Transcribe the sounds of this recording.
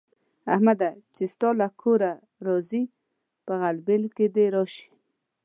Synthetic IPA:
ahmad̪at͡ʃest̪ɑlakʰoɾa | ɾɔzi | pəɣalbelked̪eɾɔʃi̥

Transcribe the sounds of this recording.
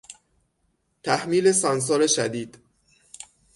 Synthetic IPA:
t̪ʰæhmiːle̞sɒns̬ɒːɾeʃæd̪iːd̪̥

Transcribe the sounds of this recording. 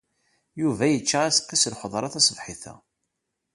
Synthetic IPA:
juvæjət͡ʃːaʁæsqːislħəðˤɾˤɑθæsˤəvħiθæ̰

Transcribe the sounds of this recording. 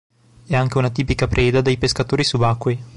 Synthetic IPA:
ɛaŋk̟eunat̪̬iːpikapɾʔɛːd̪ad̪ejpeskat̪oːɾisubakːwi

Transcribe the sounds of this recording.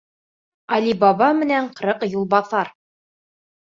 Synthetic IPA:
ɑlʲibɑβɑmɘ̆næɴqɾɤqjulˠbɑθɑɾ

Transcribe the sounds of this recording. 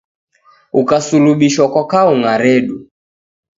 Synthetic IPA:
ukasuluɓiʃwɔkɔkauŋaɾɛɗu

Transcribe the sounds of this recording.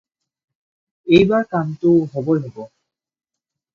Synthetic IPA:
ejbaɾkant̪oɦɔbolebo

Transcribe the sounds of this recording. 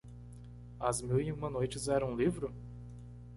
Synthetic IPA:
ɐzmiwiũmɐnojt͡ʃɪzɛɾɐ̃ũlivɾʊ

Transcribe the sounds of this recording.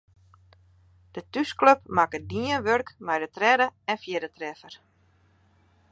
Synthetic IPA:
d̥ətyskløp̚makədiənʋørkmɛjdətrɛdəɛnfjɪdətrɛfər

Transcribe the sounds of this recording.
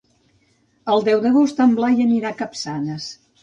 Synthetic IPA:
əlˠd̪ɛwðəɣ̞ost̪əmblajəniɾakəpsanəs

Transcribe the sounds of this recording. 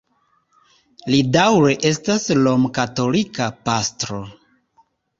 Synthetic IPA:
lidawɾeʔe̞staslo̞mkato̞likapastɾo̞

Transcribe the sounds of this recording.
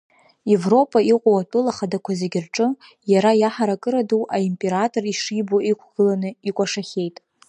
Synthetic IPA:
e̞vro̞pʼaiqʷʼawatʷʼʊlaχadakʷʰazeɡʲɪrʈ͡ʂʼɨ | jaɾajaħaɾakʼɨɾaduwʔaimpʼe̞ɾatʼo̞riʂiboikʷʰɡ̥ɨlanɨikʷʼaʂaχʲe̞jtʼ

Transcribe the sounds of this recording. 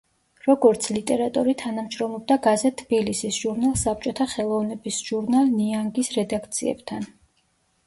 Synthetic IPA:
ɾɔɡɔɾt̪sʰlit̪ʼɛɾat̪ʼuɾit̪ʰanamʃɾɔmlˠɔb̚d̪aɡazɛtt̪ʰːb̥ilisisʒ̥uɾnalˠsap̚t͡ʃʼɔt̪ʰaχɛlˠɔvnɛbisʒ̥uɾnalˠniaŋɡisɾɛd̪akʰt̪sʰḭɛ̰bt̪ʰan

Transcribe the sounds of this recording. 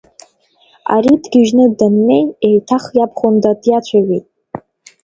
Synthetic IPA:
a̰ɾidɡʲɪʒnɨdamne̞jejtʰaχjapʰχondadjat͡ɕʷʰaɥejtʼ

